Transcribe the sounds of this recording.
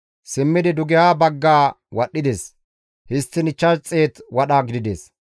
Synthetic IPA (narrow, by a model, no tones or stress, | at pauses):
sɪmːɪd̪ɪd̪ʊɡɪjaːbɐɡːaː | wɐɗːɪd̪es | hɪst̪ːɪnɪt͡ʃːɐt͡sʼːeːt̪wɐɗaːɡɪd̪ɪd̪eːs